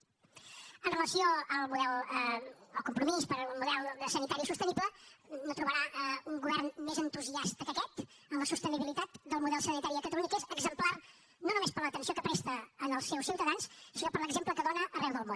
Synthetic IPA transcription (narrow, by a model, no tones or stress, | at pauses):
ənrələsioəlˠmuðɛlˠ | əlˠkumpɾumispəɾlˠmuðɛlˠsənit̪aɾisust̪ənibplənot̪ɾuβəɾauŋɡuβɛrnmezənt̪uziast̪əkəkɛt̪ | əmləsust̪əniβilit̪at̪d̪əlˠmuðɛlˠsənit̪aɾiəkət̪əluɲikezəɡzəmplar | nonumespəɾlət̪ənsiokəpɾɛst̪əːnəlˠsːɛwsiwt̪əðanssinopəɾləɡzempləkəðonəʔərɛwðəlˠmon